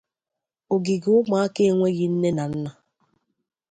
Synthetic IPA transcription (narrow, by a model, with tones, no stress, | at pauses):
o˨ɡi˨ɡʊ˦ma˦a˦ke˦e˦ŋʷe˦ɣi˦n̩˦ne˦na˨n̩˦na˨